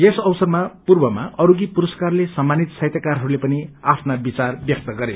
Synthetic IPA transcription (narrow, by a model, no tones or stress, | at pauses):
jesʌwsʌrmapurbʌmaʔʌɾuɡipuɾʌskarlesʌmːanit̪sajt̪jakarɦʌɾulepʌniapʰnabit͡sarbjʌk̚t̪ʌɡʌɾe